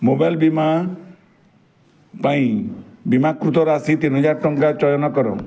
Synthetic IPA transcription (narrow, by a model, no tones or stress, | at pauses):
mobajlbima | paĩbimakɾut̪ɔɾasit̪inɦɔd͡ʒaɾʈɔŋkat͡ʃɔjɔnɔkɔɾɔ̰̃